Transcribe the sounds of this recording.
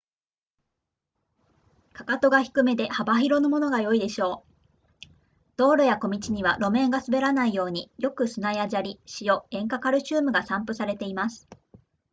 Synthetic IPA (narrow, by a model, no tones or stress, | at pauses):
kḁkat̪o̞ɡaçi̥kɯ̟me̞d̪e̞habaçiɾo̞nomo̞no̞ɡajo̞id̪e̞ɕo̞ː | d̪̥o̞ːɾojako̞mʲit͡ɕiɲ̟iβaɾo̞mẽ̞ŋɡasɨbe̞ɾanaijo̞ːɲ̟ijo̞kɯ̟sɨnajaʑaɾʲiɕijo̞ẽ̞ŋkakaɾɯ̟ɕɨːmɯ̟ɡasãmpɯ̟saɾe̞t̪e̞imasɨ̥